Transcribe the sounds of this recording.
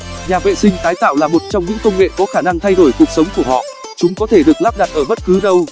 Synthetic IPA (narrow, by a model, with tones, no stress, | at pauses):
ɲaː˨˩vḛ˧˨sï˧ŋ̟t̪aː˨˦jt̪a̰ː˧˨wlaː˨˩mo˨˩t̚t͡ɕɔ˧wŋ͡mɲɨ̰˧˥ŋkə˧wŋ͡mŋḛ˧˨kɔ˨˦xaː˧˩na˧ŋt̪ʰa˧jɗo˧˩jku˨˩ək̚sə˨˦wŋ͡mku˧˩əhɔ̰˧˨ | t͡ɕʊ˨˦ŋ͡mkɔ˨˦t̪ʰe˧˩ɗɨ˨˩ək̚laː˦˥p̚ɗa˨˩t̚ʔəː˧˩ɓə˦˥t̚kɨ˨˦ɗə˧w